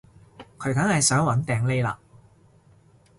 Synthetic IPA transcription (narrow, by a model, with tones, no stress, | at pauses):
kʰɵ˨˧ɥkɐ˨˥ŋhɐ˨jsœː˨˥ŋwɐ˨˥nt̪ɛː˨ŋle˥jla̰ː˧